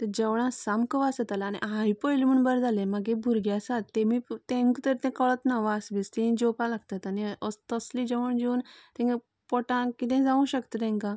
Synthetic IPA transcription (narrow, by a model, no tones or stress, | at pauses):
t̪əd͡ʑəʋɽ̃ãsamkəʋasət̪alaːñḭãjpɔjlm̤əɳbəɾd͡zalẽmaɡebʱuɾɡjasat̪ːemit̪ẽŋkt̪əɾt̪ɛ̃kəɭət̪naʋasbist̪eĩd͡ʑɔpalaɡt̪at̪aniəst̪əslid͡ʑəʋəɳd͡ʑuːnt̪ẽŋɡe | pɔʈãkit̪̬ẽd͡zaʋũɕəkt̪ət̪ɛ̃ŋkã